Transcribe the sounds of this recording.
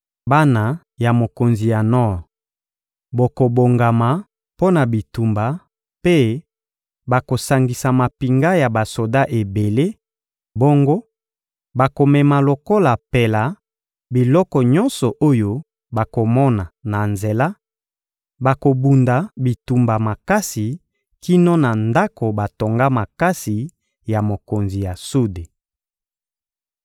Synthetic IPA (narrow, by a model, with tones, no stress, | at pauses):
ba˦na˨ | ja˨mo˨ko˨nzi˨ja˨nɔ˦˨ʁ | bo˨ko˨bo˨ŋɡa˨ma˨ | po˦na˨bi˨tu˨mba˨ | pe˦ | ba˨ko˨sa˨ŋɡi˨sa˨ma˨pi˨ŋɡa˦ja˨ba˨so˨da˦ʔe˨be˨le˦ | bo˦ŋɡo˦ | ba˨ko˨mɛ˨ma˨lo˨ko˦la˨pe˨la˨ | bi˨lɔ˦kɔ˨ɲɔ˦nsɔ˨ʔo˦jo˦ | ba˨ko˨mɔ˦na˨na˨nze˨la˦ | ba˨ko˨bu˨nda˨bi˨tu˨mba˨ma˨ka˦si˨ | ki˦no˦na˨nda˦ko˨ba˨to˨ŋɡa˦ma˨ka˦si˨ | ja˨mo˨ko˨nzi˨ja˨su˦de˨